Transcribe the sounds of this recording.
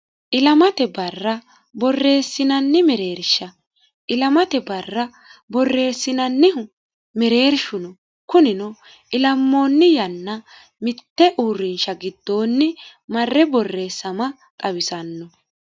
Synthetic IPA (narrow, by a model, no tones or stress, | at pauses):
ʔɪlɐmɐt̪ɛbɐrːɐ | bɔrːe̞ːsːɪnɐnːɪmɛɾe̞ːɾʃːɐ | ʔɪlɐmɐt̪ɛbɐrːɐ | bɔrːe̞ːsːɪnɐnːɪ | mɛɾe̞ːɾʃʊnɔ | kʊnɪnɔ | ɪlɐmːo̞ːnːɪjɐnːɐ | mɪt̪ːɛʔuːrːɪnʃɐɡɪd̪̥ːo̞ːnːɪmɐrːɛbɔrːe̞ːsːɐmɐ | kʼɐwɪsɐnːɔ